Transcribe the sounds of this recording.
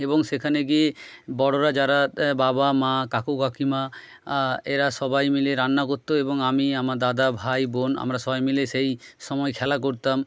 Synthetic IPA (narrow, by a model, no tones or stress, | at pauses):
eboŋʃekʰaneɡiebɔɽoɾad͡ʑaɾababamãkakokakima | eɾaʃɔbajmileɾanːakot̪ːoeboŋamiamaɾd̪ad̪abʱajbona̰mɾaʃɔbajmileʃejʃɔmɔekʰɛlakoɾt̪am